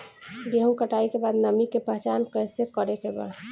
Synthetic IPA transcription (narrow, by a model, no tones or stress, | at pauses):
beɦũkəʈaikebad̪nəmikepəɦt͡ʃankəjsekəɾekeba̰d̪